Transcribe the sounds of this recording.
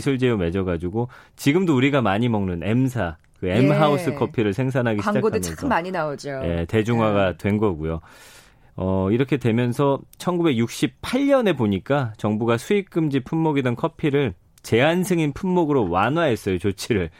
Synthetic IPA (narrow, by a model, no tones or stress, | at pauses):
sʰɯɭd͡ʑijome̞d͡ʑʌɡad͡ʑuɡot͡ɕiɡɯmdouɾiɡamaɲimʌŋnɯne̞msʰa | kɯemɦaus͈ɯkʰʌpʰiɾɯɭsʰe̞ŋs̬ʰanɦaɡiɕŋakɡodʰɯmjkʰmaɲinaod͡ʑoje̞te̞d͡ʑuŋɦwaɡatwe̞nɡʌɡujo | ʌiɾʌkʰe̞dwe̞mjʌnsʰʌt͡ɕʰʌnɡube̞k̚juk̚ɕ͈ip̚pʰaʎːʌne̞boɲik͈at͡ɕʌŋbuɡasʰuik͈ɯmd͡ʑipʰunmoɡidɯnkʰʌpʰiɾɯɭ | t͡ɕe̞ansʰeŋinpʰunmoɡɯɾowanwaɦe̞s͈ʌjot͡ɕot͡ɕʰiɾɯɭ